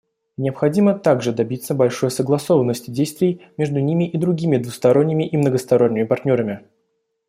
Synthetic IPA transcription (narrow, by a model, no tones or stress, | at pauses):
nʲɪəpxɐdʲimət̪aɡʐɨd̪ɐbʲit̪səbɐlʲʂo̞jsəɡlˠɐso̞vənːəsʲtʲɪdʲejst̪vʲɪɪjmʲe̞ʐd̪ʊnʲimʲɪʔid̪ɾʊɡʲimʲɪd̪vʊst̪ɐɾo̞nʲːɪmʲɪʔimnəɡəst̪ɐɾo̞nʲːɪmʲɪpɐrtʲnʲo̞ɾəmʲɪ